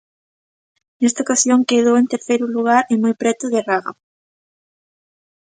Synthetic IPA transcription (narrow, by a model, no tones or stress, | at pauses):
nest̪aokasjoŋkeðoent̪eɾθejɾuluɣ̞aɾemɔjpɾet̪uðeraɣa̰